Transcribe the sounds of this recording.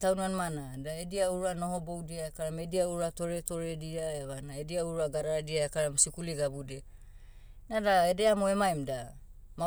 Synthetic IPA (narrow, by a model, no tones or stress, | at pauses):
tawnuanmanadaediauɾuano̞ho̞bo̞wdiaekaɾamediauɾuato̞ɾe̞to̞ɾe̞diaeβanaediauɾuaɡaɾaadiaekaɾamsikuliɡabude | nadaedeamoe̞majmda | ma